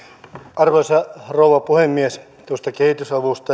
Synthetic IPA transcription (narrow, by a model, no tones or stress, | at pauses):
ʔɑrʋɑsɑroˑuʋɑpuhemːies | t̪uost̪ɑkehit̪ysɑʋust̪ɑ